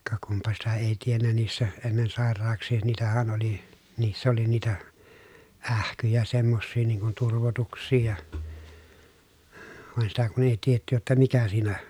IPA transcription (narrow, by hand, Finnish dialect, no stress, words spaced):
kɑ kumpɑ sitæ eˑi tienːæ niːsːæ enːen sɑˑerˑɑːksˑiː niːtæhæn oli niːsː oli niːtæ æhkyjæ semːosːiː niːŋ kun turʋotuksˑiː jɑ ʋɑˑen sitæ kun eˑi tietːy jotːɑ mikæ siːnæ